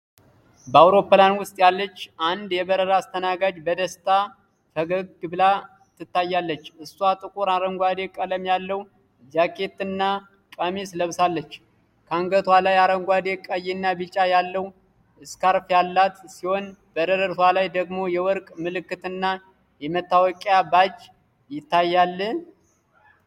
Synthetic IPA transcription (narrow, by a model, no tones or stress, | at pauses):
bəawɾo̞pːlanwʊst̪ʼjalːət͡ʃːʔand̪jɛbəɾəɾaːst̪ʰənaɡad͡ʒbəd̪əst̪ʰʼa | fəɡəɡɨbla | t̪ʰːɨt̪ːajːalːət͡ʃːɨsːuat̪ʼɨkʼuɾaɾəŋɡʷad̪ekʼələmjalːəw | d͡ʒakʼːe̞t̪ɨnːa | kʼamesləβsalːət͡ʃː | kʰaŋɡət̪ʰwalajaɾəŋɡʷad̪ekʼəjɛnːabɨt͡ʃʼajalːəw | ɨskaɾfjalːat̪siho̞nb̥əd̪əɾəɾt̪walajd̪əɡmo̞jɛwɔɾkʼmɨlɨkːɨt̪ɨnːa | jɛmət̪ːawɔkʼjabat͡ʃʼː | jɪt̪ːajːalːə